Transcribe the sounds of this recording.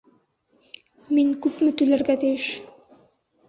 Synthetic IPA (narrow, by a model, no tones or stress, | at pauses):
miŋkʉpmɘt̪ʉlæɾɡæt̪ɘ̆jɘʃ